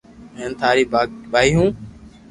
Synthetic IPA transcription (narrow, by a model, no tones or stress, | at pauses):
ẽːnt̪ʰaːɾiːɓaːiːɦũː